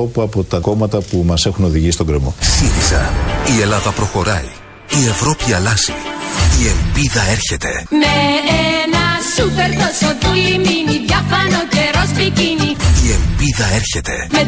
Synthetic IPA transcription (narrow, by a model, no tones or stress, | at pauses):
o̞puɐpo̞t̪ɐko̞mɐt̪ɐpumɐse̞xuno̞ðiʝist̪o̞ŋɡɾe̞mo̞̰siθisɐ̰ie̞lɐðɐpɾo̞xo̞ɾɐi | ie̞vɾo̞piɐlɐsiie̞mbiðɐe̞ɾçe̞t̪e̞meenɐsupeɾðosot̪iliminiðʝɐfɐnoceɾospiciniie̞mbiðɐe̞ɾçe̞t̪e̞me